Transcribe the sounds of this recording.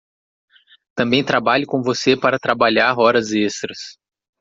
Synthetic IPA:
t̪ɐ̃mbẽj̃t̪ɾabaʎʊkõvosepaɾɐt̪ɾabaʎaɾɔɾɐzest̪ɾɐs

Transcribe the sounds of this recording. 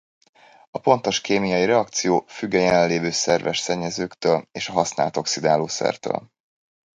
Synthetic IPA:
ɒpo̞nt̪o̞ʃkeːmijɒjiɾɛɒk̚t̪sijoːfyɡːɛjɛlɛleːvøːsɛrvɛʃsɛɲːɛzøːkt̪øːleːʃɒɦɒsnaːlt̪o̞ksid̪aːloːsɛ̰rt̪ø̰ːl

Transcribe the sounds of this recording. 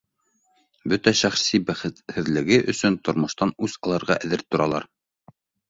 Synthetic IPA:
bɵt̪æʃæχsibæχɘt̪hɘ̆ðlɘ̆ɡɘʔɵ̆sɵnt̪ŏɾmŏʃt̪ɑnʉzɑlˠɑɾʁɑʔæðɘɾt̪ːŏɾɑlˠɑ̰ɾ

